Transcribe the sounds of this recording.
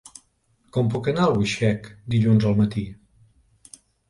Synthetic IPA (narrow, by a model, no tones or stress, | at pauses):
kɔmp̬ukənalˠβuʃɛkd̪iʎunzəlˠmət̪i